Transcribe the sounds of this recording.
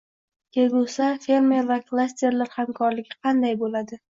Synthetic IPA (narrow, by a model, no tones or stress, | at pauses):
kʲeɡosafe̞ɾme̞ɾvaklˠasʲt̪e̞ɾlaɾhamkʰɒɾlɪɡʲɪqʰɑnd̪ajbolad̪ɪ